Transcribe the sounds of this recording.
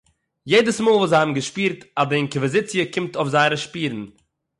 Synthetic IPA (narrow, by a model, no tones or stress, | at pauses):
jeɪdəsmoːlˠvuːzaɪhabm̩ɡəʃpiːɾtadəɪnkəvəzɪt͡sjəkʰɪmtofzaɪɾəʃpiːɾn̩